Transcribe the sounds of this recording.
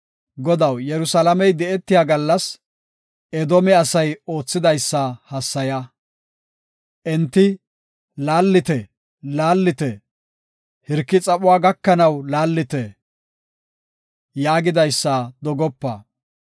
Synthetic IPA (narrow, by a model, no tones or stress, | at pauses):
ɡɔd̪ɐwjɛɾʊsalɐmɛjd̪ɛɛt̪ːɪjaːɡɐlːɐs | ɛd̪ɔmɛɐsɐjo̞ːt͡sːɪd̪ɐjsːɐhɐsːɐjɐ | ʔɛnt̪ːɪ | laːlːɪt̪ɛ | laːlːɪt̪ɛ | hɪɾkːɪt͡sʼɐpʼʊwaːɡɐkːɐnɐwlaːlːɪt̪ɛ | jaːɡɪd̪ɐjsːɐd̪ɔɡɔpːɐ̰